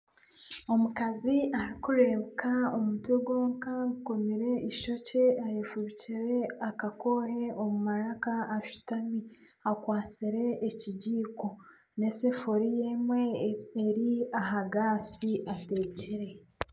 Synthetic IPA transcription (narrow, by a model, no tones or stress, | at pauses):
o̞mukaziaɾikuɾe̞βkʰaomutweɡo̞ːŋkauko̞miɾe̞ʔiʃo̞ce̞ajefuβiciɾeakako̞ɦe̞o̞mumaɾakaːʃu̥tami | akwaːt͡siɾe̞ːciɟiːko̞ | ne̞sefoɾijemwe̞ːɾiaɦaɡaːsiʔate̞ːciɾe̞